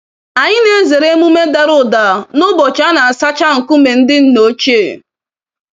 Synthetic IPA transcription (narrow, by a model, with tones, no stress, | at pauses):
a˨ɲɪ˦ne˦ze˨ɾe˦mu˦me˦da˨ɾʊ˨da˨nʊ˦bɔ˨t͡ʃa˦na˨a˨sa˦t͡ʃa˦ŋ̩˨kʊ˦me˨n̩˦dɪ˦n̩˦no˦t͡ʃe˦˨